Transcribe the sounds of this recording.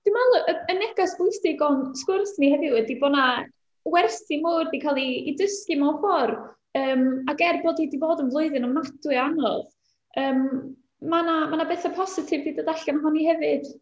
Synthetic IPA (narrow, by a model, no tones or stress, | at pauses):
d̥ɪmalˠʔəənɛɡasb̥lˠɪstɪɡɔnskʊrsnihɛvɪɛdibɔna | wɛrsimuːrdikʰalˠiːdəskɨmafɔr | əːmaɡɛrboːdidivoːdənvlˠʊɨðɨnɔmadwɨanɔ̰ð | əːmː | anamanabeθapʰɔsɪtʰɪvbiːdədaɬamaɦɔnihɛvɨd̥